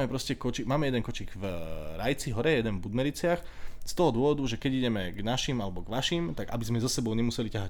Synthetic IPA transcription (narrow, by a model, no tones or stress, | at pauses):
mɛpɾɔscɛkɔt͡ʃiɡmaːmɛjɛd̪ɛnkɔt͡ʃiɡvɾajt͡siɦɔɾɛjɛd̪ɛnvbud̪mɛɾit͡sɪax | st̪ɔɦɔd̪ʊɔʋɔd̪uʒɛkɛɟiɟɛmɛɡnaʃimalɛbɔɡʋaʃimt̪aɡa̰bizmɛzasɛbɔʊɲɛmusɛlicaɦac